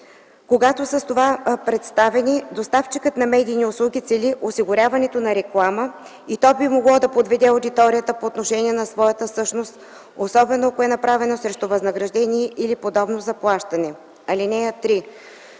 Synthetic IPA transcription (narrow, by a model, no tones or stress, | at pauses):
koɡat̪osəst̪ovapɾɛt̪st̪avɛnid̪ost̪aft͡ʃikət̪nɐmɛd̪ʲiːniʊslˠuɡʲit̪sɛliʔosiɡʊɾʲavɐnɛt̪onɐɾɛklˠamə | it̪ɔbimoɡlˠɔd̪ɐpod̪vɛd̪ɛʊd̪it̪ɔɾijət̪əpoːt̪noʃɛniɛnɐsvɔjət̪əsɤʃnost̪ | osɔbɛnoɐkoɛnɐpɾavɛnosɾɛʃt̪ovɐznɐɡɾɐʒd̪ɛniɛʔilipod̪ɔbnozɐplˠaʃt̪ɐnɛ | ɐlinɛət̪ɾi